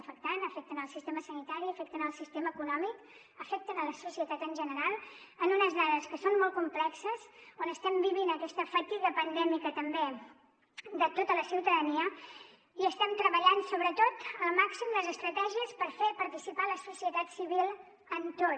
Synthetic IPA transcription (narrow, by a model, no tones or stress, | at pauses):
əfək̚t̪anəfɛk̚t̪ənəlˠsist̪eməsənit̪aɾiəfɛk̚t̪ənəlˠsist̪eməːkunɔmik | əfɛk̚t̪ənələsusiət̪at̪ənʒənəɾalˠənunəzðaðəskəsonmɔlˠkumplɛksəzonəst̪ɛmbiβinəkɛst̪əfət̪iɣəpənd̪ɛmikət̪əmbe | d̪ət̪ot̪ələsiwt̪əðəniə | iəst̪ɛmt̪ɾəβəʎansoβɾət̪ot̪əlˠmaksimd̪əzəst̪ɾət̪ɛʒiəspəɾfepəɾt̪isipaləsusiət̪at̪siβilˠ | ənt̪o